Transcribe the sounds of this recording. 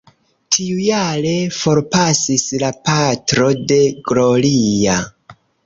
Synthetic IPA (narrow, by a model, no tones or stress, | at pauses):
tʰiujaɾe̞fo̞ɾpasislapatɾo̞de̞ɡlolija